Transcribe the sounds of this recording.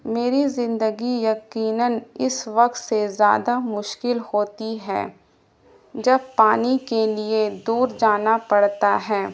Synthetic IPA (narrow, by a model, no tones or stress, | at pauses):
meːɾizɪ̃nd̪əɡijɐqiːnənɪsʋɐq̚t̪sezja̰ːd̪amʊʃkɪlhoːt̪iɦɛ̰ː | d͡ʒɐbpaːnikelied̪uːɾd͡ʒaːnapɐɽt̪aɦɛː